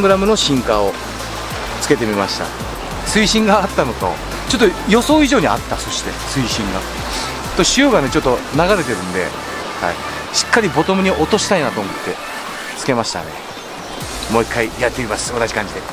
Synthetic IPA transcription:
ŋɡɯ̟ɾamɯ̟no̞ɕĩŋkao̞ | t͡sɨ̥ke̞t̪̬e̞mʲimaɕi̥t̪a̰ | sɨiɕĩŋɡaːt̪ːanot̪o̰ | t͡ɕo̞t̪ːojo̞so̞ːiʑo̞ːɲ̟ia̰t̪ːaso̞ɕi̥t̪e̞̰sɨiɕĩŋɡa̰ | t̪o̞ɕijo̞ːɡane̞t͡ɕo̞t̪ːo̞naɡaɾe̞t̪e̞ɾɯ̟̃nd̪e̞̰ | ha̰i | ɕi̥kːaɾʲibo̞t̪omɯ̟ɲ̟iʔo̞t̪o̞ɕi̥t̪ainat̪o̞ːmo̞t̪ːe̞ | t͡sɨ̥ke̞maɕi̥t̪a̰ne̞̰ | mo̞ːikʰːaijat̪ːeimasɨ̥βat̪aʑikãɲ̟d͡ʑid̪e̞

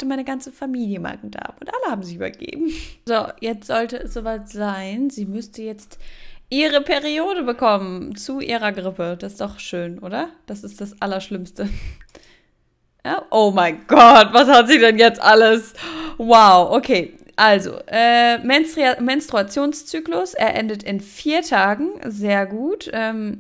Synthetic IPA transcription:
təmaɪnəɡant͡səfamiːljəma̰ɡŋ̩da̰ːbʊntʔaləhaːbm̩zɪçyːbɐ̰ɡ̥ḛːbm̩zojɛt͡stz̥ɔltəɛsz̥oːvaɪtz̥aɪnziːmʏstəjɛt͡stʔiːʁəpʰɛʁioːdəbəkʰɔmənt͡suʔiːʁɐɡʁɪpəd̥assd̥ɔχʃøːnʔoːɾɐd̥asɪst̚d̥asʔalɐʃlɪmstə | ʔaʔoːmaɪɡ̥ɔtv̥ashatz̥iːdɛnjɛt͡stʔaləswaʊʔokʰeː | ʔalzo̰ʔɛːmɛnmɛnstʁ̥uat͡sjoːnst͡syːklʊsʔḛːɐʔɛndətɪnfiːɐtʰaːɡŋ̩zeːɐɡuːtʔɛːm

